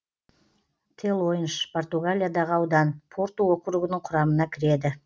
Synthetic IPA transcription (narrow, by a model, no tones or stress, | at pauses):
t̪ʰelˠo̞jənʃpʰo̞rt̪uɡalʲijad̪ɑʁəɑwd̪ɑnpʰo̞rt̪uwo̞qəɾuɡənəɴqʰʊɾɑmənɑkʲʰɪɾe̞d̪ɪ